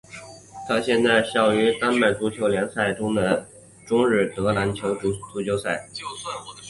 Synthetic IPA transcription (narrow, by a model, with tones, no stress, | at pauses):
t̪ʰa˥ɕjɛ˥˧nt͡sa˥˧ɪɕɑ˥˩ʊy˧˥t̪a˥nme˨˩ɪt͡s̪u˧˥t͡ɕʰjo˧˥ʊljɛ˧˥nsa˥˩ɪʈ͡ʂʊ˥ŋd̪ə˨ | ʈ͡ʂʊ˥ŋɻɻ̩˥˩t̪ɤ˧˥la˧˥nt͡ɕʰjo˧˥ʊ˥t͡su˧˥t͡ɕjo˥ʊsa˥˩ɪ